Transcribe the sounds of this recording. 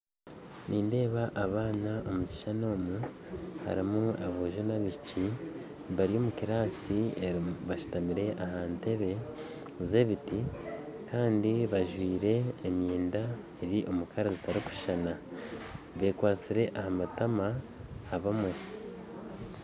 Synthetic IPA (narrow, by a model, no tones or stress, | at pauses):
nʔiːnde̞ːβaʔːβaːnaʔo̞muci̥ʃano̞ːmu | ha̰ɾimuaβoʒonaβici | βaɾijo̞ːmukiɾaːsieβaʃu̥tamiɾe̞ʔahaːnte̞βe̞ | ze̞βitikaːndiβaʒwiːɾe̞ːmiːnda | e̞ɾiʔo̞mukʰaɾazitaɾiku̥ʃi̥ʃana | βe̞ːkwaːt͡siɾe̞ʔahamatamaː | βamu